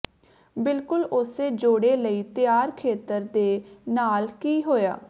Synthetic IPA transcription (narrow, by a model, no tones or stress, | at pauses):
bɪlkʊlʊseːd͡ʒoːɽeːləiːt̪ɪjaːɾkʰeːt̪əɾd̪eːnaːlkiːɦoːja̰ː